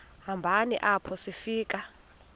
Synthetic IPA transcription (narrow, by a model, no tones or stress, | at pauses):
ɦambʱanḭʔapʰɔsifiːk̬ʼa